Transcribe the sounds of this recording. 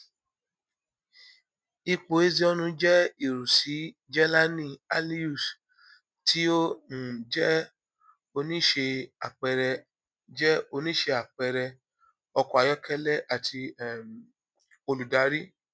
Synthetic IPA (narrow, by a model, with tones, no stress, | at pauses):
i˧k͡po˨e˦zi˧˦ɔ˧nũ˧d͡ʒɛ˦i˨ɾu˨si˨˦d͡ʒɛ˦la˦nĩ˦˨a˧li˦u˦˨s | tʰi˦o˦n˨d͡ʒɛ˦ | o˧nĩ˦ʃe˧a̰˨k͡pɛ˧ɾɛ˧ | d͡ʒɛ˦o˧nĩ˦ʃe˧a˨k͡pɛ˨˧˨ɾɛ˧ | ɔ˧kɔ˨a˨jɔ˦kʰɛ˦lɛ˦ʔa˨tʰi˧˨ | o˧lu˨da˨˦ɾi˦